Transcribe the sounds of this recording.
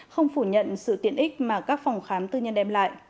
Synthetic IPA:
xə˧wŋ͡mfu˧˩ɲə̰˧˨nsɨ̰˧˨t̪i˧˩ənʔi˦˥k̟̚maː˨˩kaː˦˥k̚fɔ˨˩wŋ͡mxaː˨˦mt̪ɨ˧ɲə˧nʔɛ˧mla̰ː˧˨jʔ

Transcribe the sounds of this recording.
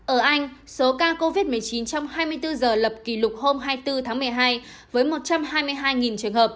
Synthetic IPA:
ʔəː˧˩ʔa˧jŋ̟so˨˦kaː˧ko˧vi˦˥t̚mɨ˨˩əjt͡ɕi˨˦nt͡ɕɔ˧wŋ͡mɦaː˧jmɨ˧əjt̪ɨ˧zəː˨˩lə˨˩p̚ki˧˩lʊ˨˩k͡p̚ho˧mɦaː˧jt̪ɨ˧t̪ʰaː˨˦ŋmɨ˨˩əjɦaː˧j | vəː˨˦jmo˨˩t̚t͡ɕa˧mhaː˧jmɨ˧əjɦaː˧jŋi˨˩nt͡ɕɨ˨˩əŋɦəː˨˩p̚

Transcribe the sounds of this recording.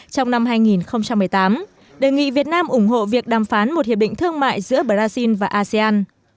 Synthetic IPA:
t͡ɕɔ˧wŋ͡mna˧mɦaː˧jŋi˨˩nxə˧wŋ͡mt͡ɕa˧mːɨ˨˩əjt̪aː˨˦m | ɗeː˨˩jŋḭ˧˨vi˨˩ət̚naː˧mʔʊ˧˩ŋ͡mɦo̰˧˨vi˨˩ək̚ɗaː˨˩mfaː˨˦nmo˨˩t̚hi˨əɓɗḭ˧˨ŋt̪ʰɨ˧əŋma̰ː˧˨jzɨ̰˧˥əɓəː˨˩laː˧si˧nvaː˨˩ʔaː˧si˧aː˧n

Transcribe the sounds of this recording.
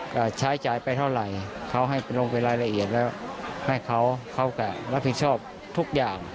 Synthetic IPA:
ka˧˩t͡ɕʰaː˧˥˦jt͡ɕaː˨˩˦jpa˧jt̪ʰa˧˩wɾa˨˩jkʰa˧˥˩wɦa˥˩jpa˨˩nlo˧ŋpa˨jlaː˧˥˩jla˧ʔi˨˩ət̪̚lɛː˧˥˩wha˧˩jkʰa˧˥˩wkʰa˧˥˩wka˧˩la˦˥pʰːi˨˩t̪̚sʰɔː˥˩p̚ | t̪ʰu˦˥˩k̚jaː˨˩ŋ

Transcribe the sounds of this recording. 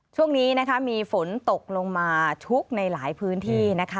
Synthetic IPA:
t͡ɕʰu˥˩əŋniː˦˥na˦˥kʰa˦˥miː˧fo˩˦nt̪o˨˩k̚lo˧ŋmaː˧t͡ɕʰu˦˥k̚na˧jlaː˩˦jpʰɯː˦˥nt̪ʰiː˥˩na˦˥kʰa˦˥

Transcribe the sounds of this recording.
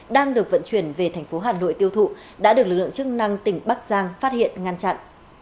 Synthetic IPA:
ɗaː˧ŋɗɨ˨˩ək̚və̰˧˨nt͡ɕwi˧˩ənve˨˩t̪ʰɛ˨˩ŋ̟fo˨˦ɦaː˨˩nlo̰˧˨jt̪i˧əwt̪ʰṵ˧˨ | ɗa̰ː˧˥ɗɨ˨˩ək̚lɨ˨˩k̚lɨ̰˧˨ŋt͡ɕɨ˦˥k̚na˧ŋt̪ï˨˩ŋ̟ɓa˦˥k̚zaː˧ŋfaː˦˥t̚hḭ˧˨ənŋa˧nt͡ɕa̰˧˨nʔ

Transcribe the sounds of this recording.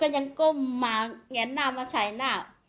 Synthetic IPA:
kɔː˧˩ɲa˧˦ŋko˧˨mːaː˨ŋɛ˨˦naː˧˨maː˧˨sa˨˩˦jnaː˧˩˨w

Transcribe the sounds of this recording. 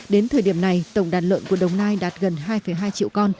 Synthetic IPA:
ɗe˨˦nt̪ʰəː˨˩jɗi˧˩əmna˨˩jt̪ə˨˧˩wŋ͡mɗaː˨˩tlə̰˧˨nku˧˩əɗə˨˩wŋ͡mnaː˧jɗaː˨˩t̚ɣə˨˩nɦaː˧jfə˧˩jɦaː˧jt͡ɕḭ˧˨wkɔ˧n

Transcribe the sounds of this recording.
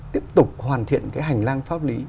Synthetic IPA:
i˦˥əp̚t̪ʊ˨˩k͡p̚hwaː˨˩nt̪ʰḭ˧˨ənkaː˨˦jɦa˨˩jŋ̟laː˧ŋfaː˦˥p̚li˨˦

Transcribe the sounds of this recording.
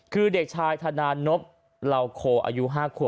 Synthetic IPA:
kʰɯː˧de˨˩k̚t͡ɕʰaː˧jt̪ʰa˧naː˧no˦˥p̚ | la˧wkʰoː˧˩ʔa̰ː˧ju˦˥ɦaː˥˩kʰu˧˩

